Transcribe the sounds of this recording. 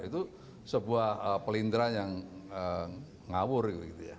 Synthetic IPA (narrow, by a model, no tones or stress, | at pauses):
it̪u | səbuahəpəlind̪ɾajaŋə | ŋawʊrɡit̪uit̪uja̰